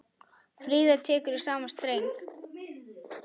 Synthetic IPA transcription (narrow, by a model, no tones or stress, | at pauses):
fɾiːðḁt̪ʰɛːkʏɾisaːmast̪ɾeːjn